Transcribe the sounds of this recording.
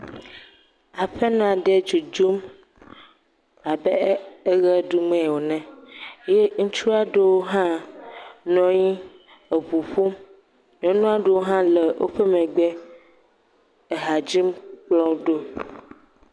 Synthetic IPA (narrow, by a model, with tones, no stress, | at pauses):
a˨ɸɛ˦nɔ̃˦a˨ɖɛ˦d͡ʒu˨d͡ʒu˦m | a˨bɛ˦e˦ɣɛ˦du˦mɛ̃˦˨wo˨nɛ̃˨je˦ŋ̩̃˦t͡ʃu˦a˦ɖe˦wo˦ɦã˦ | nɔ̃˨ɲi˦ | e˨ɸu˨ɸu˦m | nɔ̃˨˦nũ˦a˨ɖe˨wo˦ɦã˦lɛ˨wʔo̰˦ɸɛ˦mɛ̃˨ɡ͡bɛ˦ | e˨ɦa˨d͡ʑi˦mk͡plɔ̃˦ɖo˦